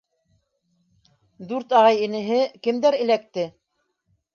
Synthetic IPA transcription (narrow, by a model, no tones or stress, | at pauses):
d̪ʉɾt̪ɑʁɑjĭnɘ̆ɦɘkɘ̆md̪æɾɘ̆læk̚t̪ɘ